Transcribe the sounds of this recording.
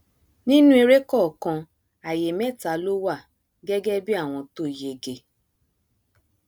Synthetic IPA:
nĩ˦nũ˦i˧ɾe˦kɔ˦˨kã˧ | a˨je˨mɛ˦˨ta˨˦lo˦wa˦˨ | ɡɛ˦ɡɛ˦bi˦a˦˨w̃ɔ̃˧to˦˨je˨ɡe˨

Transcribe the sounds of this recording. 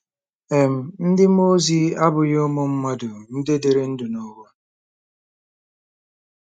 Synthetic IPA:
e˨m̩˨n̩˦dɪ˦m˦o˦zi˦a˦bʊ˨jo˦mʊ˦m̩˦ma˦dʊ˨n̩˦de˦de˨ɾe˦n̩˦dʊ˨nɔ˦ɡɔ˦

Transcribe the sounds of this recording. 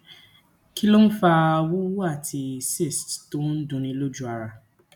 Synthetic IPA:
ki˦lo˦n̩˦fa˧wu˦a˦˨tʰi˧si˦˨stto˨˦n̩˦dũ˧nĩ˧˦lo˦d͡ʒu˦a˧ɾa˧

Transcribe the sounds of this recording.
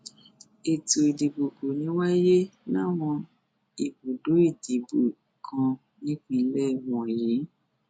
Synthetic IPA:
e˨to˨i˨di˨bo˨ɡo˨nĩ˨˦wa˦je˦nã˦˨w̃ɔ̃˧ | i˨bo˨do˨˦i˦˨di˨bo˨kʰã˧ | nĩ˦kĩ˦˨˦lɛ˦˨wɔ̃˨ji˨˦

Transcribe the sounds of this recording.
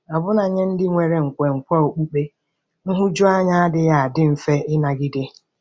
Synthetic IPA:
a˨bʊ˦na˨ɲe˦n̩˦dɪ˦ŋʷe˨ɾe˨ŋ̩˨kʷe˨ŋ̩˨kʷɔ˦o˨k͡pu˦k͡pe˦ | n̩˦ɦʊ˦d͡ʒʊ˦a˦ɲa˦a˦dɪ˦ja˨a˨dɪ˦m̩˨fe˦ɪ˦na˨ɡɪ˦de˦

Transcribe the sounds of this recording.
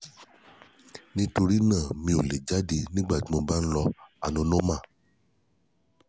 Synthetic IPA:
nĩ˦to˧ɾi˦nãː˦˨mĩ˧˦o˨le˨d͡ʒa˦di˧nĩ˦ɡ͡ba˦˨ti˦mo˧ba˦n̩˦lɔ˧a˨nũ˨˦nõ˦mã˦˨

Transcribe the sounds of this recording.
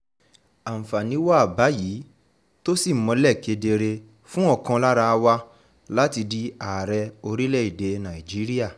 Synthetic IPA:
a˨m̩̃˨fa˨nĩ˨˦wa˦a˦˨ba˨˦jiː˨˦ | to˦si˦˨˦mɔ̃˧lɛ˦˨ke˧de˧ɾe˧ | fũ˦ɔ˦˨kã˧la˦ɾa˧wa˧ | la˦ti˧di˦a˨ɾɛ˧o˧ɾi˦lɛ˦˨i˨de˨˦nã˨i˨d͡ʒi˨˦ɾi˦a˦˨

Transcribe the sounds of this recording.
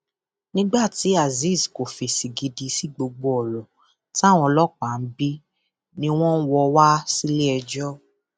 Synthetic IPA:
nĩ˦ɡ͡ba˦˨ti˨˦a˦˨zi˦˨sko˨fi˨si˨ɡi˧di˧si˨˦ɡ͡bo˧ɡ͡bo˧ɔ˨ɾɔ˨ | ta˦˨w̃ɔ̃˧lɔ˦˨k͡pa˨n̩˦bi˦ | nĩ˧˦w̃ɔ̃˦n̩˦wɔ˧wa˦si˦le˦ɛ˧d͡ʒɔ˦

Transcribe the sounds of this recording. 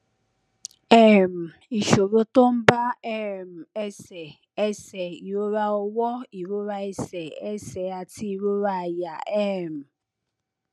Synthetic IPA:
e˦˨m̩˨ | i˨ʃo˨ɾo˦tʊ˦m̩˦ba˦ɛ˦˨m̩˨e˦se˨ | e˦se˨o˦ɾa˦ʊ˦wɔ˦i˨ɾo˦ɾa˦e˦se˨e˦se˨a˨ti˦i˨ɾu˦ɾa˦˨ja˨e˦˨m̩˨

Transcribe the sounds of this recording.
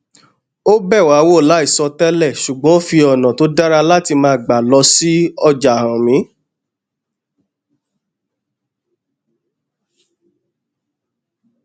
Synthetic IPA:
o˦bɛ˦˨wa˨˦wo˦˨la˨˦i˦˨sɔ˧tɛ˦lɛ˦˨ʃu˨ɡ͡bɔ̃˨˦o˦fi˧ɔ˨nã˨to˨˦da˦ɾa˧la˦ti˧mãː˧˦˨ɡ͡ba˨lɔ˧si˦ɔ˧d͡ʒa˨ɾã˨mĩ˨˦

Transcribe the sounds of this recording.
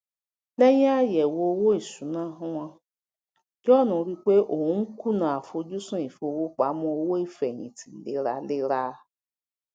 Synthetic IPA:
lɛ˦jĩ˦a˦jɛ˨wo˨o˦wo˦i˦˨su˨˦nã˦ɦʊ̃˦w̃ã˧ | ɡɔ˦˨nũ˨˦ɾi˦k͡pe˦ʔo˨wũ˨˦ku˦nã˨a˨fo˧d͡ʒu˦sũ˦i˨fo˨˧˦wo˦k͡pa˨˦mũ˦o˧wo˦i˦˨fɛ˨ɲḭ̃˨tʰi˨˦lḛ˦ɾa˧le˦ɾa˦

